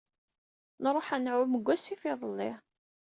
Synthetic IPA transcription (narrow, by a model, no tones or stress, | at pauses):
nɾˤoħænʕʊməɡʷːæsifɪðˤəlːɪ